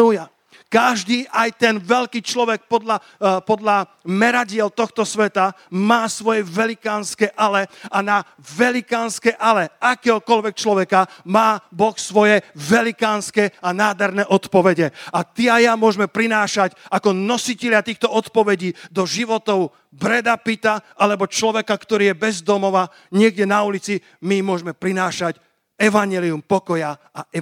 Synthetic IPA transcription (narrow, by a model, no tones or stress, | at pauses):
uja | kaʒd̪iːʔajt̪ɛnʋɛlkiːt͡ʃlɔʋɛk̚pɔd̪la | pɔd̪la | mɛɾaɟɪɛlt̪ɔxt̪ɔsʋɛt̪a | maːsʋɔjɛʋɛlikaːnskɛʔalɛana | ʋɛlikaːnskɛʔalɛʔakɛːɦɔkɔlʋɛk̚t͡ʃlɔʋɛkamaːbɔxsʋɔjɛʋɛlikaːnskɛanaːd̪ɛɾnɛʔɔt̪pɔʋɛɟɛat̪iajamʊɔʒmɛpɾinaːʃacakɔnɔsicɛʎɪat̪iːxt̪ɔɔt̪pɔʋɛɟiːd̪ɔʒiʋɔt̪ɔʊ | bɾɛd̪apit̪aʔalɛbɔt͡ʃlɔʋɛkakt̪ɔɾiːjɛbɛzd̪ɔmɔʋa | ɲɪɛɡɟɛnaulit͡si | mimʊɔʒmɛpɾinaːʃac | ɛʋaɲɛliumpɔkɔja | aɛ